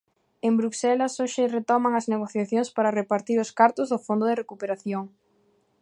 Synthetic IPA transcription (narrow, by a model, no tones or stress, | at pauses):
embɾuksɛlɐsoʃɪret̪ɔmɐŋɐzneɣ̞oθjaθjoŋspaɾɐrepaɾt̪iɾʊskaɾt̪ʊzðʊfond̪ʊðerekupeɾaθjoŋ